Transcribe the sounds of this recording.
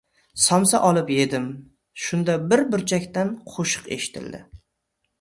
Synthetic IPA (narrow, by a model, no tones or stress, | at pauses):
sɒmsa̰ʔɒlˠɪpje̞d̪ɪm | ʃʊnd̪abɪɾbɪɾt͡ʃʰakʲt̪anqʰoʃɨ̥qe̞̰ʃɪ̥t̪ʰɪ̰ld̪ɪ̰